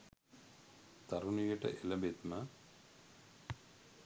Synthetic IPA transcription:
t̪aɾunijəʈə̰ʔeləbet̪ma

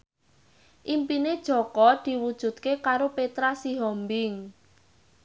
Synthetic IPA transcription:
ʔimpined̥ʒ̥ɔ̤kɔd̪̥i̤wud̥ʒ̥ṳt̪̚kekaɾopet̪ɾasiɦɔmbɪŋ

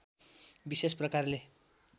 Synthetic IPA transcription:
bisesprʌkarle

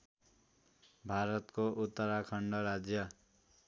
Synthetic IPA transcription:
bʱaɾʌt̪koʔut̪ːʌɾakʰʌɳɖʌɾad͡zjʌ

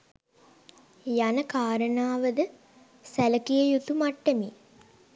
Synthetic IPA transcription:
janəkaːɾənaːʋəd̪ə | sæləkijəjut̪umaʈːəmi

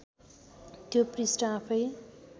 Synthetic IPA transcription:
t̪joprisʈʌapʰʌj

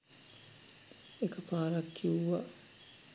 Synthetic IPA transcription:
ekɐpaːɾɐkʰːiuɐ

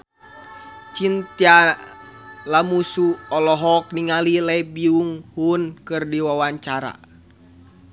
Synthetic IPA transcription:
t͡ʃint̪ia | lamusuɔlɔɦɔk̚niŋalilɛbiuŋhunkɨrdiwawaɲt͡ʃaɾa̰

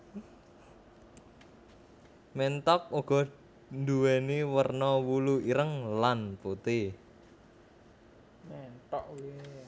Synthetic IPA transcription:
mɛnt̪ɔk̚uɡ̥ɔ̤ | nd̪uwɛniwərnɔwuluiɾəŋlanput̪i | mɛnt̪ɔʔ

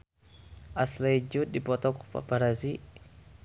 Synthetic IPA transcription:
ʔaslaid͡ʒut̪̚dipɔt̪ɔku̥pa̰paɾazi

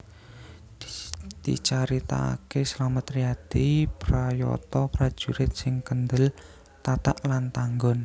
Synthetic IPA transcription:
d̪̥ḭt͡ʃaɾit̪a̰keslamət̪ɾiad̪̥ipɾajɔ̰t̪ɔpɾad̥ʒ̥uɾɪt̪̚sɪŋkənd̪əl | t̪at̪a̰ʔlant̪aŋɡɔn

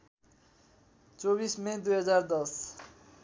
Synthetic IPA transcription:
t͡soβismed̪uɦʌd͡zaɾd̪ʌs

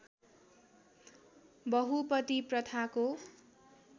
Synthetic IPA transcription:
bʌɦupʌt̪iprʌt̪ʰako

